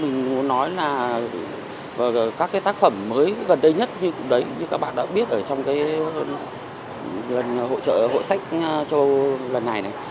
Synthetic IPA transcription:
mï˨˩ŋ̟mu˨˦nɔ˨˦jlaː˨˩ | vaː˨˩˨kaː˦˥kːaː˨˦jt̪aː˦˥k̚fə˧˩mːəː˨˦jɣə˨˩nɗə˧jɲə˦˥t̚ɲɨ˧kʊ̰˧˥ŋ͡mɗə˨˦jɲɨ˧kaː˦˥k̚ɓa̰ː˧˨ɗa̰ː˧˥ɓi˦˥ət̚ʔəː˧˩t͡ɕɔ˧wŋ͡mkaː˨˦j | lə˨˩nɦo̰˧˨t͡ɕə̰ː˧˨ɦo̰˧˨jsa˦˥jk̟̚t͡ɕə˧ʔwlə˨˩nːa˨˩jna˨˩j

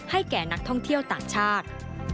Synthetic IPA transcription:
ha˥˩jkɛː˨˩na˦˥k̚t̪ʰɔ˥˩ŋt̪ʰi˥˩əwt̪aː˨˩ŋt͡ɕʰaː˥˩t̪̚

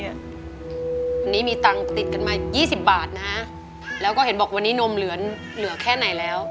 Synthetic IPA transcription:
wa˧nːiː˦˥miː˧t̪a˧ŋt̪i˨˩t̪̚ka˧˩nmaː˧jiː˥˩si˨˩p̚baː˨˩t̪̚na˦˥ | lɛː˦˥wkɔː˥˩he˩˦nbɔː˨˩kwa˧nːiː˦˥no˧mlɯ˩˦ɐ | lɯ˩˦ɐkʰɛː˥˩na˩˦jlɛː˦˥w

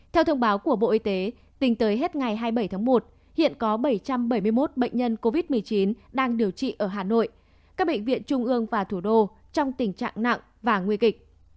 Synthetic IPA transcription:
t̪ʰɛ˧wt̪ʰə˧wŋ͡mɓaː˨˦wku˧˩əɓo̰˧˨ʔi˧t̪e˨˦ | t̪ï˨˦ŋ̟t̪əː˨˦jɦe˦˥t̚ŋa˨˩jɦaː˧jɓə˧˩jt̪ʰaː˨˦ŋmo˨˩t̚ | hḭ˧˨ənkɔ˨˦ɓə˧˩jt͡ɕa˧mɓə˧˩jm˧əjmo˦˥t̚ɓə̰˧˨ŋ̟ɲə˧nko˧vi˦˥t̚mɨ˨˩əjt͡ɕi˨˦nɗaː˧ŋɗi˨˩əwt͡ɕḭ˧˨ʔəː˧˩ɦaː˨˩no̰˧˨j | kaː˦˥k̚ɓə̰˧˨ŋ̟vḭ˧˨ənt͡ɕʊ˧ŋ͡mʔɨ˧əŋvaː˨˩t̪ʰu˧˩ɗo˧ | t͡ɕɔ˧wŋ͡mt̪ï˨˩ŋ̟t͡ɕa̰ː˧˨ŋna̰˧˨ŋ | vaː˨˩ŋwi˧kï˨˩k̚

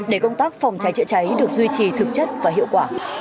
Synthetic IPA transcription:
ɗe˧˩kə˧wŋ͡mt̪aː˦˥k̚fa˨˩wŋ͡mt͡ɕa˨˦jt͡ɕɨ̰˧˨t͡ɕa˨˦jɗɨ˨˩ək̚zwi˧t͡ɕi˨˩t̪ʰɨ˨˩k̚t͡ɕə˦˥t̚vaː˨˩ɦḭ˧˨əwkwaː˧˩

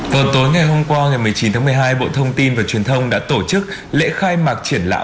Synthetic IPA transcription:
vaː˨˩wt̪o˨˦jŋa˨˩jɦo˧mkwaː˧ŋa˨˩jmɨ˨˩əjt͡ɕi˨˦nt̪aː˨˦mɨ˨˩əjɦaː˧jɓo̰˧˨t̪ʰə˧wŋ͡mt̪i˧nvaː˨˩t͡ɕwi˨˩ənt̪ʰə˧wŋ͡mɗa̰ː˧˥t̪o˧˩t͡ɕɨ˦˥k̚ | lḛ˧˥xaː˧jmaː˨˩k̚t͡ɕi˧˩ənla̰ː˧˨

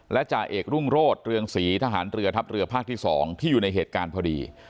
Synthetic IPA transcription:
lɛ˦˥t͡ɕaː˧˩ʔeː˨˩k̚ɾu˥˩ŋɾoː˥˩t̪̚ɾɯ˧əŋsiː˩˦t̪ʰaː˧ɦaː˩˦nɾɯ˧ɐt̪ʰa˦˥p̚ɾɯ˧ɐpʰaː˥˩k̚t̪ʰiː˥˩sɔː˩˦ŋt̪ʰiː˥˩juː˨˩na˧jɦeː˨˩t̪̚kaː˧npʰɔː˧dḭː˧

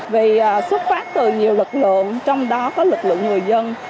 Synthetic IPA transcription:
vi˨˩˨swə˦˥t̚faː˦˥p̚t̪ɨ˨˩ɲi˨˩əwlɨ˨˩k̚lɨ̰˧˨əŋt͡ɕɔ˧wŋ͡mɗɔ˨˦kɔ˨˦lɨ˨˩k̚lɨ̰˧˨əŋɨ˨˩əjzə˧n

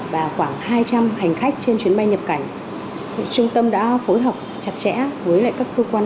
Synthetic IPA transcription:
vaː˨˩xwaː˧˩ŋhaː˧jt͡ɕa˧mha˨˩jŋ̟xa˦˥k̟̚t͡ɕe˧nt͡ɕwi˨˦ənɓa˧jɲə˨˩p̚ka˧˩jŋ̟˨ | t͡ɕʊ˧ŋ͡mt̪ə˧mɗa̰ː˧˥fo˨˦jɦəː˨˩p̚t͡ɕa˨˧˩t̚t͡ɕɛ̰˧˥vəː˨˦jla̰˧˨jkaː˦˥kːəː˧kwaː˧n

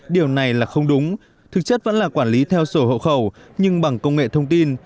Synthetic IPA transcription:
ɗi˨˩əwna˨˩jlaː˨˩xə˧wŋ͡mɗʊ˨˦ŋ͡m | t̪ʰɨ˨˩k̚t͡ɕə˦˥t̚və̰˧˥nlaː˨˩kwaː˧˩nli˨˦t̪ʰɛ˧wso˧˩ho̰˧˨wxə˧˩w | ɲɨ˧ŋɓa˨˩ŋkə˧wŋ͡mŋḛ˧˨t̪ʰə˧wŋ͡mt̪i˧n

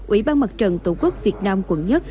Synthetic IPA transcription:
ʔḭ˧˩˦ɓaː˧nmə˨˩t̚t͡ɕə˨˩nt̪u˧˩ku˦˥ək̚vi˨˩ət̚naː˧mkwə˧˩nɲə˦˥t̚

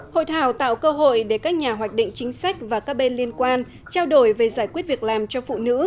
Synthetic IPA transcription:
ho̰˧˨jt̪ʰaː˧˩wt̪a̰ː˧˨wkəː˧ɦo̰˧˨jɗe˧˩kaː˦˥k̚ɲaː˨˩ɦwaː˨˩jk̚ɗḭ̈˧˨ŋ̟t͡ɕï˨˦ŋ̟sa˦˥jk̟̚vaː˨˩kaː˦˥k̚ɓe˧nli˧ənkwaː˧n | t͡ɕaː˧wɗo˧˩jve˨˩zaː˧˩jkwi˦˥ət̚vi˨˩ək̚laː˨˩mt͡ɕɔ˧fṵ˧˨nɨ̰˧˥

